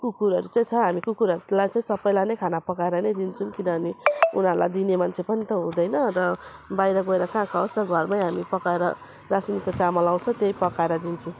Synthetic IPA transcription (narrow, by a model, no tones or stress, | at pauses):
kukuɾʌɾut͡saĩt͡sʰʌɦamikukuɾʌɾulajt͡saĩsʌbʌjlanʌjkʰanapʌkaeɾʌnʌjd̪int͡sʰunkinʌɦamiunʌɾlajd̪inemant͡sʰepʌnit̪ʌɦũd̪ʌjnʌɾʌbajɾʌɡoeɾʌkãkʰawsɾʌɡʱʌrmajɦamipʌkaeɾʌ̰ | rasinikot͡samʌlaw̃t͡sʰʌ̃t̪ejpʌkaeɾʌd̪int͡sʰu